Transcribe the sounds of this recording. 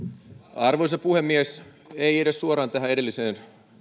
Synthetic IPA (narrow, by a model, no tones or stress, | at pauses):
ɑrʋosepuhemːies | eieɾesːuoɾɑːnt̪æɦæede̞lːiseːn